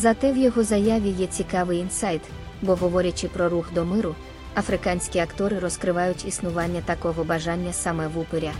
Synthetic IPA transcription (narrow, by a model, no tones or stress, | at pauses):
zɐt̪ɛwjɔɦɔzɐjaʋʲijɛt͡sʲikɑʋɪjinsɑjt̪ | bɔɦɔʋɔɾʲɐt͡ʃɪpɾɔɾuxd̪ɔmɪɾʊ | ɐfɾɪkɑnʲsʲkʲiɐkt̪ɔɾɪɾɔskɾɪʋɑjʊtʲisnʊʋɑnʲːɐt̪ɐkɔɦɔbɐʒɑnʲːɐsɑmɛʋupeɾʲɐ